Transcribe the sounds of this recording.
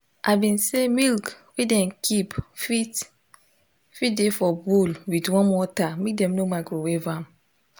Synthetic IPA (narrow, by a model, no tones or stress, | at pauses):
ʔaɪbĩnsemilkwidɛ̃nkʰipfit | fit̚defɔbulwidwɔ̃nwɔtamik̚dɛ̃mnomaɡɾowevam